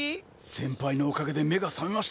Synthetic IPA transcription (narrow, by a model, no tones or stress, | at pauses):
sẽ̞mpaino̞ːkaɡe̞d̪e̞me̞ɡasãŋɡaɕ